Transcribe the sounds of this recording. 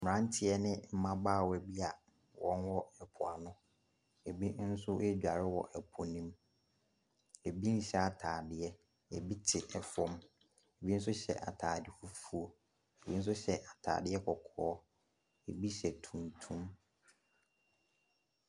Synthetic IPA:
m˨ɾã˦n˦tʰɪ˨ɛ˦nɪ̃˦m̩˦mã˦baː˦˨wɛ˨bi˦a˨ | wɔ̃˦nwɔ˦ɛ˨pʰʊ˨a˨nʊ̃˦ | e˨bi˦n̩˦sʊ˦ʔe˦d͡ʑᶣa˨ɾɪ˦wɔ˨ʔɛ˨pʰɔ˨nĩ˦m | e˨bi˦n̩˦ɕɛ˦a˨tʰaː˨dɪ˦ɛ˦ | e˨bi˦tʰɪ˨ʔɛ˨fɔ̃˦m | e˨bi˦n̩˦sʊ˦ɕɛ̰˨ʔa̰˨tʰaː˨dɪ˨fu˦fu˦o˦ | e˨bi˦n̩˦sʊ˦ɕɛ˨ʔa˨tʰa̰ː˨dɪ˦ɛ˦kʰɔ˨kʰɔː˦ | e˨bi˦ɕɛ˨tʰũ˨ntʰũ˦m

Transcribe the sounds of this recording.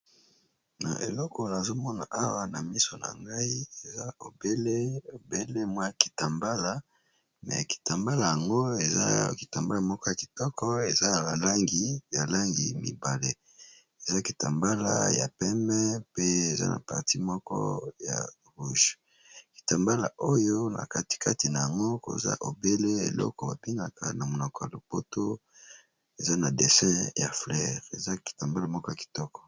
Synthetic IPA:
na̰˨ʔḛ˨lɔ˦kɔ˨la˨zo˦mɔ˦na˨ʔa˦wa˦na˨mi˦so˨na̰˨ŋɡa˦i˦e˨za˦o˨be˦le˦o˨be˦le˦mwa˦ja˨ki̥˨ta˨mba˦la˦ | mɛ̰˨ki̥˨ta˨mba˦la˨ja˨ŋɡo˦e˨za̰˦ki˨ta˨mba˦la˨mɔ˦kɔ˦ja˨ki̥˨tɔ˦kʰɔ˦e˨za˦˨ba˨la˦ŋɡi˨ja˨la˦ŋɡi˨mḭ˨ba˨le˦ | e˨za˦ki˨ta˨mba˦la̰˦ja̰˨pɛ˦mɛ˦pe˦e˨za̰˦na̰˨pa̰˨ʁti˦mɔ˦kɔ̰˦ja̰˨ | ʁu˦ʒ | ki̥˨ta˨mba˦la̰˨ʔo˦jo˦na̰˨ka˦ti̥˨ka˦ti˨na˨ja˨ŋɡo˦ko̰˨za̰˦ʔo˨be˦le˦ḛ˨lɔ̰˦kɔ˨ba˨bi˦ŋɡa˨ka̰˨na˨mo˨nɔ˨kɔ˨ja˨lo˨po˦to˦ | e˨za˦na˨de˨sɛ̃˦ja˨flɛ˦˨ʁḛ˨za˦ki̥˨ta˨mba˦la˦mɔ˦kɔ˦ja˨ki̥˨tɔ˦kɔ̥˨

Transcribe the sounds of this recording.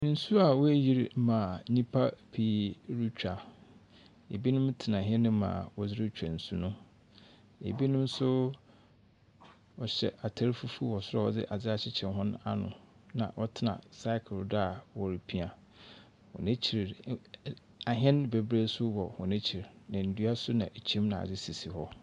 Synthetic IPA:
n̩˨su˦a˨wɔ˦æ˦ji˦ɾmã˨˦ɲĩ˦pʰa˦pʰi˨˦ɾu˦t͡ɕᶣa˨ | e˨bi˦nʊ̃˦mtʰɪ˨nã˨ɦɛ̃˦nʊ̃˦mã̰ː˨wɔ˨d͡zɪ˦ɾɪ˦t͡ɕᶣa˨n̩˨su˦nʊ̃˦ | ḛ˨bi˦nʊ̃˦m˦sʊ˦ | wɔ˨ɕɛ̰˨ʔa˨tʰa˦ɾfu˦fu˦wɔ˨sʊ˦ɔ˦˨ɔ˨dɪ̰˦ʔa˨d͡zɪ˦a˨t͡ɕʰɪ˦t͡ɕʰɛ̃˨nɦɔ̃˦na̰˦nʊ̰̃˨ | nã̰˨ʔɔ˦tʰɪ˦nã̰˨sa˦ɪ˦kʰɪ˨lda˨wɔ˨ɾi˨pʰi˦a˨ | wɔ̰˨nẽ˦t͡ɕʰi˨ɾ | a˨ɦɛ̃˦nbe˨bɾe˦sʊ˦wɔ˨hɔ̃˨nẽ˦t͡ɕʰi˨ɾnã˨n̩˨du˦a˦sʊ˦nã˨ʔe˨t͡ɕʰĩ˦mnã˨a̰˨d͡zɪ˦si˨si˨hɔ˦

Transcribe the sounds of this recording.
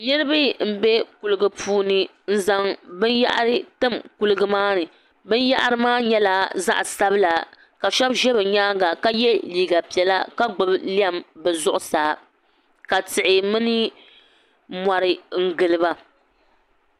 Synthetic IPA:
nɨ˦ɾɨ˦bɨ˦m̩˦˨bɛ˦ku˨lɨ˨ɡɨ˨pʰuː˦nɨ˦ | n̩˦za˦ŋbɨ˦nja̰˦ʔa̰˦ɾɨ˦tɨ˦mku˨lɨ˨ɡɨ˦maː˦nɨ˨ | bɨ˦nja˦ʔa˦ɾɨ˦maː˦ɲɛ˦la˨za̰˦ʔsa˦bɨ˦la˨ | ka˨ʃɔ˦bʒɛ˦bɨ˨ɲaː˦ŋɡa˨ka˦jɛ˦liː˦ɡa˨pi˨ɛ˨la˦ka˦ɡ͡bʊ˨bli˦a˦˨mbɨ˨zʊ˦ʔʊ˨saː˨ | ka˨tɨ˨ʔɪ˨mɨ˦nɨ˦ | ma˨ɾɨ˨ŋ̩˦ɡɨ˨lɨ˦ba˦

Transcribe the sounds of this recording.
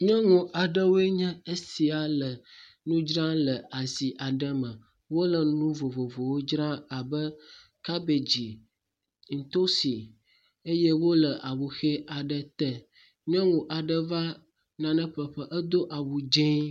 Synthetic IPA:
ɲɔ̃˦ŋũ˨ʔa˨ɖə˦wo˦e˦ɲɛ̃˦e˦si˨a˨lə˨ | nũ˦d͡ʒɾã˦lə˨a˨zi˨ʔa˨ɖə˦mə̃˨ | wo˦lə˨nũ˦vo˨vo˨vo˨wo˦d͡ʒɾã˦a˨bə˦ | ka˦be˨d͡ʑi˨ | ŋ̩˨t̪o˦si˨ | e˦je˦wo˦lə˨ʔa˨wu˨xe˦a˨ɖə˨t̪ə˨ | ɲɔ̃˦ŋũ˨ʔa˨ɖə˦va˦ | nã˨nə̃˦ɸə˨ɸə˦ʔə˦d̪o˦ʔa˨wu˨d͡ʒẽ˦

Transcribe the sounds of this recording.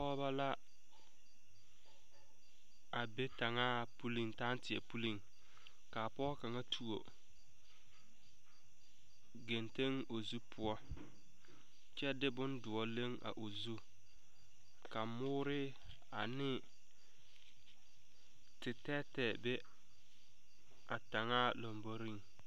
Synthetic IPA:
pɔ˦ba˦la˦ | a˨be˦ta˨ŋaː˦pu˦li˨ŋta˦n˦tɪ˨ɛ˨pu˦li˦˨ŋ | ka˨pɔː˦ka˨ŋa˦tʰu˨o̰˨ | ɡe˨nte˦ŋ | o˨zu˦pʰʊ˦ɔ˦ | t͡ʃɛ˦dɪ˦bʊ˦ndʊ˨ɔ˦le˦ŋa̰˨ʔo˨zu˦ | ka˨mʊː˦ɾɪ˦ | a˨nɪ˦ | tɪ˨tɛ˦tɛ˨be˦ | a˨ta˨ŋaː˦lo˨mbo˦ɾi˦ŋ

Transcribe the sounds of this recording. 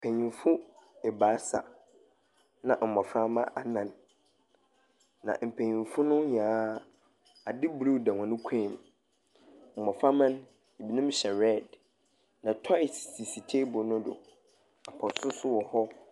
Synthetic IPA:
pʰɛ̃˨ɲĩ˨nfʊ˦ɛ˨baː˨˦sa̰˨ | nã˨ʔm̩˨mɔ̃˨fɾa˦mã̰˦ʔa˨nã˨n | nã̰˨m̩˨pʰɛ̃˨ɲĩ˨nfʊ˦nʊ̃˦ɲ˨ãː˨˦ | a˨dɪ˦blu˦˨dã˨ŋʷã˨nʊ̃˦kʷʰɛ̃˦˨m˨ | m̩˨mɔ̃˨fɾa˦mã˦n | i˨bi˨nũ˦mɕɛ˨ɾɛ˦˨d | nã˨tʰɔ˦ɪ˨sːi˨si˨tʰe˦bʊ˨nʊ̃˦dʊ̰˨ | a˨pʰɔ̃˨sʊ˦sʊ˦wɔ˨hɔ˦

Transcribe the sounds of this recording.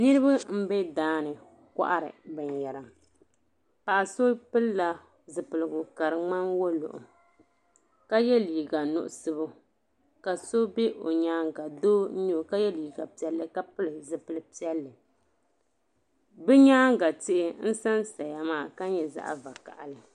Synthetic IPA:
nɨ˦ɾɨ˦ba˦m̩˦bɛ˦daː˦nɨ˨ | ka̰˦ʔa̰˦ɾɨ̰˨bɨ˨ɲjɛ˨ɾɨ˨m | pa˨ʔso˦pɨ˦lla˨ | zɨ˨pɨ˨lɨ˨ɡʊ˨ka˨ɾɨ˨ŋ͡ma˦nwo˦lʊ̰˨ʔʊ̰˨ | ka˦jɛ˦liː˨ɡa˨nʊ̰˦ʔʊ˦˨sɨ˦bʊ˦ | ka˨so˦be˦ʔo̰˨ɲaː˦ŋɡa˨doː˦ɲo˦˨ka˦jɛ˦liː˨ɡa˨pi˦ɛ˦lːɨ˦ka˦pɨ˦lɨ˨zɨ˨pɨ˨lɨ˦pi˦ɛ˦lːɨ˨ | bɨ˦ɲaː˦ŋɡa˨tɪ˦ʔɪ˦n̩˦sa˦nsa˨ja˨maː˦˨ka˦ɲɛ˨za̰˦ʔa̰˨va˨ka̰˨ʔa˨lɨ˨

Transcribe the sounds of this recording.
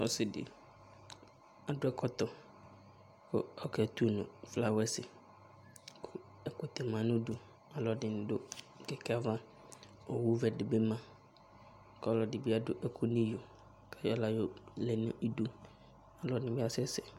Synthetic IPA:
ɔ̰˦sɪ˨dɪ̰˨ | a˨dʊ˦ɛ˦kʰɔ˦t̪ɔ˨ | kʰʊ̰˦ɔ˦kʰɛ˨t̪u˦˨nʊ̰̃˨fla˨wɛ˦sɪ˨ | kʰʊ˦ | ɛ˨kʊ˨t̪ɛ˨mã˨nʊ̃˦du˨ | a˨lɔ˨dɪ̃˨n˨dʊ˦˨ | kɛ˨kʰa˦vã˦ | ɔ˨wu˦vɛ˨dɪ˨bɛ˦mã˨˦ | kɔ˦˨lɔ˨dɪ˨bɪ˦a˦dʊ˦ʔɛ˨kʰʊ˦nĩ˦jo˨ | kʰɛ˦jɔ˦la˨jo˦lɛ˨nʊ̰̃˦ʔi˦du˦ | a˨lɔ˨dnɪ̃˨bɪ˦a˦sɛ˦sɛ˨

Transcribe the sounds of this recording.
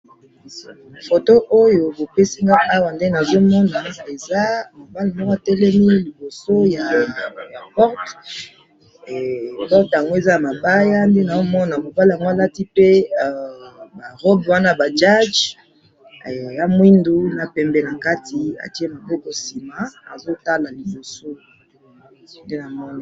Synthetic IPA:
fo˨to˦ʔo˦jo˨bo˨pe˦si˦ŋa˦ʔa˦wa˨nde˦na˨zo˦mɔ˦na˨e˨za˦mo˨ba˦li˨mɔ˦ka˨tɛ˦lɛ˦mi˦li˨bo˨so˦ja˨ja˨pɔ˦ʁt | pɔ˦ʁta˨ŋɡo˦e˨za˦ja˨ma˨ba˦ja˦nde˦na˨zo˦mɔ˦na˨mo˨ba˦li˨a˨ŋɡo˦a˦˨la˦ti˦pe˦˨ | ba˨ʁɔ˦bwa˦na˦ba˨d͡ʒa˦d͡ʒ | ja˦mwi˦ndu˦na˨pɛ˨mbɛ˨na˨ka˦ti˨a̰˨ti˦e˦ma˨bɔ˦ko˨si˨ma˨a̰˨zo˦ta˦la˨li˨bo˨so˦ | nde˦na˨mɔ˦na˨

